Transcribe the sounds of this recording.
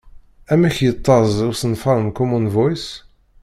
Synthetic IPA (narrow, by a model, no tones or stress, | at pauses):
æmæçjət̪ˤːɑzˤʊsənfɑɾˤənkɔmunvɔjs